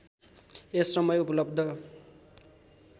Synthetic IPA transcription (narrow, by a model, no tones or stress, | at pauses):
esːʌmʌjupʌlʌbd̪ʱʌ